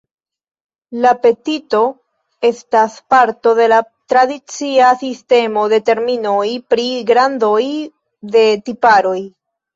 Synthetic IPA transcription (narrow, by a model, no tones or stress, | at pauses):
lape̞tito̞ | e̞staspaɾto̞de̞la | tɾadit͡siasiste̞mo̞de̞te̞ɾmino̞jpɾiɡɾandoj | de̞tipaɾo̞j